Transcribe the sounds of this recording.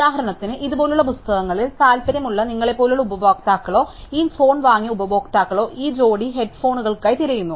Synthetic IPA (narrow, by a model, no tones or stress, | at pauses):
uðaːɦɐɾɐɳɐt̪ːinɨʔiðubo̞ːluɭːɐpust̪ɐɣɐŋːɐɭilsaːlpɐɾɐmuɭːɐniŋːɐɭepːo̞ːluɭːɐubɐboːk̚t̪aːkːɐɭo̞ːiːfo̞ːɳʋaːŋːijɐubɐʋo̞ːkt̪aːkːɐɭo̞ːʔiːd͡ʑo̞ːɽiɦe̞ɖfo̞ːɳuɣɐɭkaːjt̪iɾɐjunːu